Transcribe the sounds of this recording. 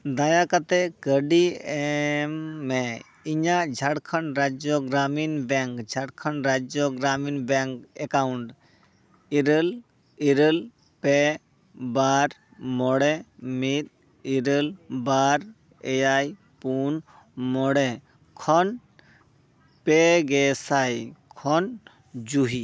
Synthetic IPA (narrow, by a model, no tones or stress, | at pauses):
d̪aːjakət̪ekəɖiemːe | ɪɲãd͡ʒʱəɽkʰənɾaːd͡ʒoɡɾaːminbɛŋkd͡ʒʱɐɽkʰənɾaːd͡ʒjoɡɾaːmiːnbɛŋkekaːʊɳʈ | iɾəl | iɾəl | peː | baɾ | mɔɽemit̪̚ | iɾəlbaɾ | ejaj | pun | mɔɽe | kʰɔn | peɡesajkʰɔn | d͡ʒuɦi